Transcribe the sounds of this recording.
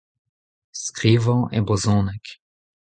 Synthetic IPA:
skʁiːvɔ̃ʔɛ̰bɔzɔ̃ːnɛk

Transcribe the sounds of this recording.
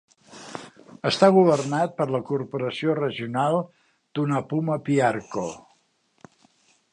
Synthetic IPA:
əst̪aɣuβərnat̪̚pəɾləkurpuɾəsiorəʒiunalˠ | d̪̥unapuməpiarko

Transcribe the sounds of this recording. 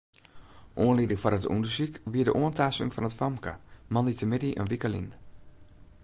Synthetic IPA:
ʔoənlidɪŋfɔrətṵndəsikʋiədəʔoəntaːsɪ̰ŋfɔnətfɔmkə̰mɔnditəmɪdiʔə̰nʋikəlḭn

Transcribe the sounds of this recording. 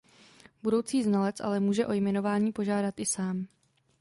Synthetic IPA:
budo̞wt͡siːznalɛt͡sʔa̰lɛmuːʒɛʔo̞jmɛno̞vaːɲiːpo̞ʒaːdat̪ʔɪsaːm

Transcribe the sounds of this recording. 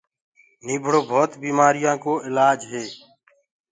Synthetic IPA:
niːbʱɽoːbʱoːt̪biːmaːɾɪjãːkoːɪlaːd͡ʒɦeː

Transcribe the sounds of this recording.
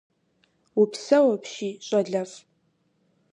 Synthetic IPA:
upʰsɐwɐpʰʃiːɕʷʼɐɮɐf

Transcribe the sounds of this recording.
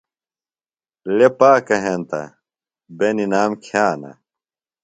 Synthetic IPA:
lepaːkɐɦent̪ɐ̰ | beninaːmkʰjaːnɐ̰

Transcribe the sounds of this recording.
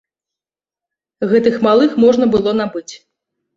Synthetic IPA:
ɣɛt̪ɨxmalˠɨxmɔʐnɐbɨlˠɔnabɨt͡sʲ

